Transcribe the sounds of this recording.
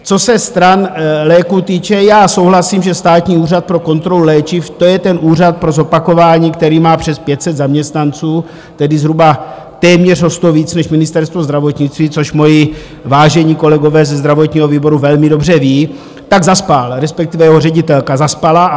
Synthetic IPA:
t͡so̞sɛst̪ɾanlɛːkut̪iːt͡ʃɛjaːso̞wɦlasiːmʒɛst̪aːt̪ɲiːuːrat̪̚pɾo̞ko̞nt̪ɾo̞lulɛːt͡ʃɪft̪o̞jɛt̪ɛnʔuːrat̪̚pɾo̞zo̞pako̞vaːɲiːkt̪ɛɾiːmaːpr̥ɛspjɛt̪sɛd̪zamɲɛst̪nant͡suː | t̪ɛdɪzɦɾuba | t̪ɛːmɲɛr̝ɦost̪oviːt͡snɛʃmɪnɪst̪ɛɾst̪vo̞zd̪ɾavo̞t̪ɲɪt͡st̪viːt͡soʃmo̞jɪ | vaːʒɛɲiːko̞lɛɡo̞vɛːzɛzd̪ɾavo̞t̪ɲiːɦo̞viːbo̞ɾuvɛlmɪdo̞br̝ɛviː | t̪aɡzaspalɾɛspɛk̚t̪ɪvɛjɛɦorɛɟɪt̪ɛlkazaspala

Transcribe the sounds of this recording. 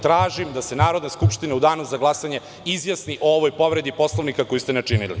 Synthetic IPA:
t̪ɾaːʒimd̪asenaːɾo̞d̪neskupʃt̪ineud̪aːnuzaɡlˠasaɲe̞ | izʋjasniʔooʋojpo̞ʋɾe̞d̪ipo̞slˠoʋnikako̞just̪enet͡ʃinilḭ

